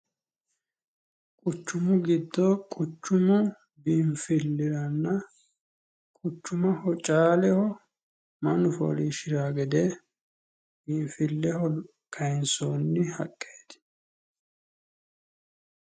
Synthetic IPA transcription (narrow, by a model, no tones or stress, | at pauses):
kʼʊt͡ʃːʊmʊɡɪd̪ːɔkʼʊt͡ʃːʊmʊ | bimfɪlːɪɾɐnːɐ | kʼʊt͡ʃːʊmɐhɔt͡ʃʼaːlɛhɔ | mɐnʊfɔ̰ːliːʃɪɾaːɡɛd̪ɛ | biːɱfɪlːɛhɔ | kʰɐjɪnsoːnːɪhɐ̰kʼːeːt̪ɪ̥